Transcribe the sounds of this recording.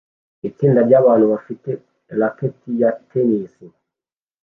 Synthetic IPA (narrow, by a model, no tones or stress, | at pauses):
itiːndaɾɟaβaːn̤uβafitɛ | laketijatenisi